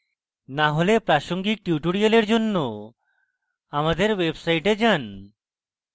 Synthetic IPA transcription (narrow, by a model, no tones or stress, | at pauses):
naɦolepɾaʃoŋɡik̚ʈuʈoɽialeɾd͡ʑonːo | amad̪eɾwebsajʈed͡ʑan